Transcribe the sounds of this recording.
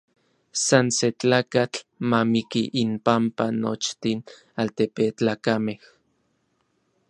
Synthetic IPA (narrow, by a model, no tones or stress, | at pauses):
sanset͡ɬaːkat͡ɬmamikiʔinpampanot͡ʃt̪in | alt̪epet͡ɬaːkameh